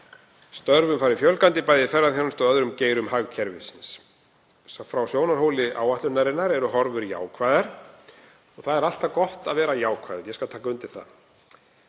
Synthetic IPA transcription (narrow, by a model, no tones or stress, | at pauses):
st̪œɾvʏmfaːɾɪfjœlkant̪ɪipaːjðɪfɛrːaðθçjaɾnst̪ɔœðɾʏmceːjɾʏmhaɣcʰɛɾvɪ̰sɪns | fɾawsjoːwnaɾ̥ɦowlɪʔa̰ːwaht̪ʏnaɾɪnːaɾɛɾʏɦɔɾvʏɾja̰ːwkʰvajðaɾ̥ | ɔɣθaðɛɾal̥t̪akɔht̪aðvɛːɾajaːwkʰva̰jðʏɾjɛskalt̪ʰaːkaʏnt̪ɪ̥θa̰ð